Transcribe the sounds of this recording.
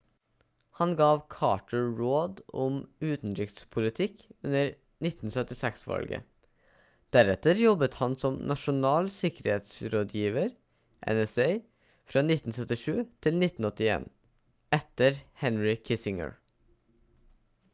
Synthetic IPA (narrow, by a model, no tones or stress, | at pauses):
hɑnɡɑːʋkʰɑ̰ːʈʰəɹoːd̪ɔmʉːt̪n̩d̪ɾɪkt̪spʰʊlɪt̪ʰɪkʉnəɾ | nɪt̪n̩sœt̪ɪsɛksʋɑ̰lɡə̰ | d̪̥æɾɛt̪əɾjɔbət̪hɑnsɔmnʔɑʂʊnɑːlsɪkəɾheːt̪sɾoːd̪jiːʋəɾ | ʔɛ̰nɛseɪ | fɾɑːnɪt̪ːn̩sœt̪ɪʂʉːt̪ʰɪlnɪt̪ːn̩ɔt̪ːɪḛːn | ɛt̪əɾhɛnɹɪkʰɪsɪŋə̰ɹ